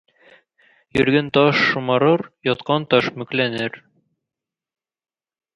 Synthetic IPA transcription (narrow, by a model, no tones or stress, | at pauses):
jɵ̰̆ɾɡɘnt̪ɒʃːŏmɑɾɤɾjɒt̪qɑnt̪ɒʃmɵ̆klænɘɾ